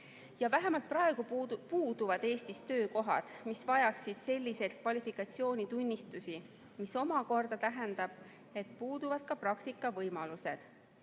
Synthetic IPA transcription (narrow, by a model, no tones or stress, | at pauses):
jɑvæɦemɑlt̪̚prɑe̞ɡ̥upuːd̪uvɑd̪e̞ːst̪ist̪ø̞ːko̞ɦɑ̰d̪̥misvɑjɑksid̪̥se̞lʲːise̞jd̪̥̚kvɑlʲifikːˑɑt̪sio̞ːnʲit̪unʲːist̪usi | miso̞mɑko̞rd̪̥ɑt̪æɦɛnd̪ɑb̥ | e̞t̪̚puːd̪̥uvɑd̪̥̚kɑprɑkt̪ikːˑɑvɤjmɑluse̞d̪̥